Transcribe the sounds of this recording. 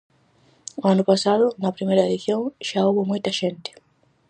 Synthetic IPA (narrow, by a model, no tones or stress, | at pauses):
ʊanʊpasaðʊnɐpɾimejɾɐeðiθjõŋʃauβomojt̪ɐʃẽnt̪ɪ̥